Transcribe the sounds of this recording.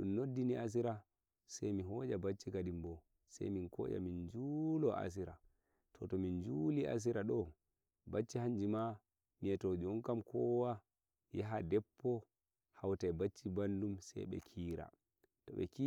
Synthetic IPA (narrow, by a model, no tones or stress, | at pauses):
ɗumnodːiniʔas̬iɾa | sajmiɦɔd͡ʒabat͡ʃːikadimbɔ | sa̰jminkɔ̰ːd͡ʒa̰mind͡ʒulɔʔa̰s̬iɾa | tʰɔtɔmind͡ʒuliʔa̰s̬iɾaɗɔ | bat͡ʃːihaɲd͡ʒima | miɛtod͡ʒiɔŋkamkʰɔwa | jaɦadɛpːɔ | hawtajbat͡ʃːibandumsɛ̰jɓɛ̰kʰiːɾa̰ | tɔɓɛ̰ki